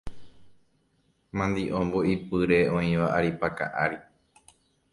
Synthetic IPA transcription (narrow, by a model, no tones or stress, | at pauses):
mãnd̪iʔõmboʔipɨɾe̞õĩʋaʔaɾipaka̰ʔaɾi